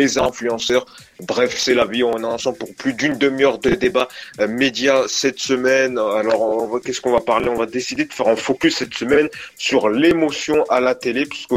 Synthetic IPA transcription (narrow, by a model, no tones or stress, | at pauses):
lezɛ̃flyɑ̃sœʁ | bʁɛvsɛlaviɔ̃naɑ̃sɑ̃puʁplyd̪ynd̪əmjœʁd̪əd̪ebamed̪jasɛt̪səmɛnalɔʁɔɔ̃vakʲɛskɔ̃vapaʁleɔ̃vad̪esid̪ed̪əfɛʁɛ̃fokʲysːɛt̪səmɛnsyʁlemosjɔ̃ʔalat̪elepasə̥kə